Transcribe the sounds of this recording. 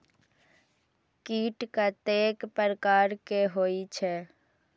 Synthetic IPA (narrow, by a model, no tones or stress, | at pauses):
kiːʈkat̪eːkpəɾəkaːɾkeɦoːit͡ʃʰɛ